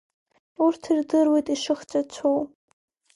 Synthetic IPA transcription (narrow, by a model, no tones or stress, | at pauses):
urtʰirdɨrwejtʼiʂɨχt͡ʃʷʼat͡ɕʷʰow